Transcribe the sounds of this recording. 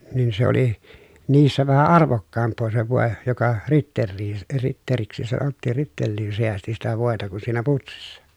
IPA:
nin se oli niːsːæ ʋæhæ ɑrʋokːɑːmpˑoː se ʋoˑe jokɑ ritːerːiːn ritːeriksi sɑnotːiːn ritːelːiːn seæsti sitæ ʋoˑetɑ kun siːnæ putsisːɑ

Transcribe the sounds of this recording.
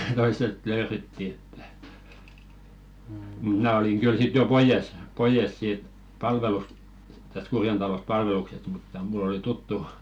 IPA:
toisˑet løːretːi etːæ mut mnæˑ oliŋ ɡ̊yl sit jo poijes poijes siːt pɑlʋelus tæst̆ kurjen tɑlost̆ pɑlʋeluksest mutːɑ mulˑ oli tutːu

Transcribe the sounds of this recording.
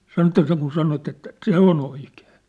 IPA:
sɑno ĕtːæ seŋkun sɑnot etːæ se on oike̥ː

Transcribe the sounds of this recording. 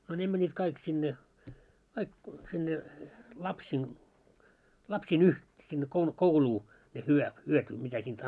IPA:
no ne mænʲːit kɑik sinːe kɑik sinːe lɑpsiːn lɑpsiːn uh sinːe koukouluː ne hyø hyøty mitæ siːnt

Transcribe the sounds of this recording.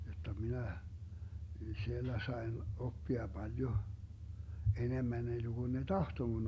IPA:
jotːɑ minæ sielːæ sɑen opːiɑ b̥ɑljo enemːæn enːeɡ̊un ne tɑhto mun

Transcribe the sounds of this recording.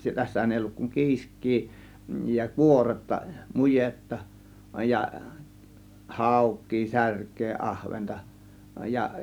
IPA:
tæsːæhæn eˑi olːuk kuŋ kiːskˑiː jɑ kuoretːɑ mujetːɑ jɑ hɑˑukˑiː særkˑeː ʔɑhʋentɑ jɑ

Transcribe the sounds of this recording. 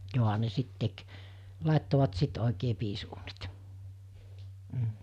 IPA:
joˑɦɑ ne sit tek lɑˑetːoʋɑt sit oˑikeː piːsuːnit m̩

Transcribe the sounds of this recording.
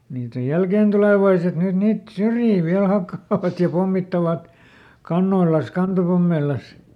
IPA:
niːt oj jælkeˑntuleˑʋɑiset nyt niːt syrjiː ʋiæl hɑkːɑːʋɑt jɑ pomːitːɑʋɑt kɑnːoilɑn̞s kɑntopomːeilˑɑs

